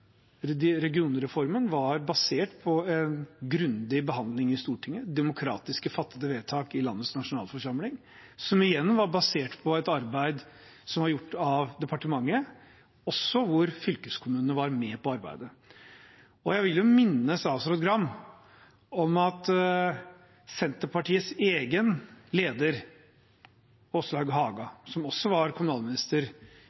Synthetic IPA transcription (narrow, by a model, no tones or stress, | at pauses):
ɾɛɡɪuːnɾɛfɔɾmənʋɑɾbɑseːʈpʰɔɛnɡɾʉnd̪ɪbəɦɑnd̪lɪŋɪst̪uːʈʰɪŋːəd̪ɛmʊkʰɾɑ̰ːt̪ɪskəfɑt̪ːəd̪əʋeːt̪ʰɑːkɪlɑ̰nːət̪snɑʂʊnɑ̰ːlfɔʂɑmlɪŋ | sɔmɪjɛnːʋɑɾbɑseːʈpʰɔɛt̪ɑɾbæɪd̪ | sɔmhɑɾjʊʈːɑʋd̪ɛpʰɑʈəmɑŋːə | ɔsːɔʋʊɾfʏlkəskʰʊmʉːnnəʋɑɾmɛpɔɑɾbæ̰ɪd̪ə | ɔjæɪʋɪljʊmɪnːəsɑʋsɾʊt̪ɡɾɑmː | ɔmɑt̪ | sɛnt̪əɾpɑʈiːətseːɡənleːd̪əɾ | ɔslhɑɡɦɑːɡɑsɔmɔsːɔʋɑɾkʰʊmʉnɑːlmɪnɪst̪əɾ